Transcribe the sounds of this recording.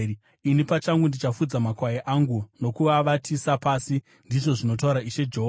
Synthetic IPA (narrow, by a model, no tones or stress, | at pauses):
inipat͡ʃaŋɡundit͡ʃafud͡zamakwajeʔaŋɡuno̞kuʋaʋatʰisapaːsi | ndiʐo̞ʐino̞t̬auɾaiʃe̞d͡ʒeɦo